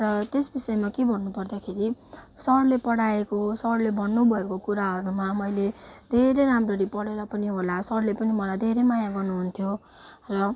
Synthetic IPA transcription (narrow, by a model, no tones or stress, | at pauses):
rʌt̪esbisʌemakebʱʌnːupʌrd̪akʰeɾisʌɽlepʌɽaekosʌɽlebʱʌnːubʱʌekokuɾaɦʌɾumamʌjled̪ʱeɾejɾamrʌɾipʌɽeɾʌpʌniɦolasʌɽlepʌnimʌlajd̪ʱeɾejmajaɡʌrnuɦunt̪ʰjo | rʌ